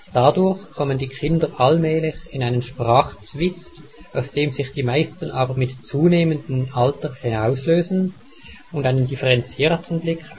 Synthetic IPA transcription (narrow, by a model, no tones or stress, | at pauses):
d̥adʊɐçkʰɔməndiːkʰɪndəʔalmɛːlɪçɪnaɪnənʃpʁ̥aːχt͡sv̥ɪstaʊsd̥eːmzɪxd̥iːmaɪstən̩ʔaːbəʁmɪtt͡suːneːməndn̩altəhɪnaʊsløːzn̩ | ʊntdaɪnəndifɛʁɛnt͡siːʁtʰənblɪkʰ